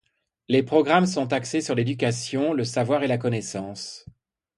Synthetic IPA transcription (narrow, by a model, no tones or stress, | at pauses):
lepχɔɡʁamsɔ̃t̪aksesyʁled̪yk̬ʲasjɔ̃ləsavwaʁelakɔnɛsɑ̃ːs